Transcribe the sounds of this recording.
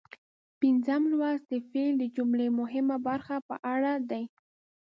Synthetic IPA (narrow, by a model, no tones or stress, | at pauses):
pɪnzamlwasd̪əfeld̪əd͡ʒumlemʊɦɪmabaɾxapə̰ʔaɽad̪aj